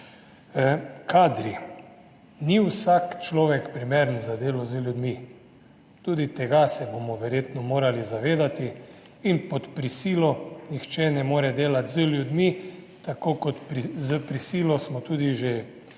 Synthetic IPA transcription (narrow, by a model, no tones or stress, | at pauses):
kʰaːd̪ɾi | niwsakt͡ʃlɔːʋɛkpɾimeɾənzad̪eːlɔzəljud̪mi | t̪uːd̪it̪ɛɡasɛbomɔʋɛɾjeːt̪nɔmoːɾalizaʋeːd̪at̪iː | npɔt̪pɾisiːlɔnixt͡ʃɛnɛmoːɾɛd̪eːlat̪zəlʲjud̪mi | t̪akoːkɔt̪pɾizəpɾisiːlɔsmɔt̪uːd̪iʒe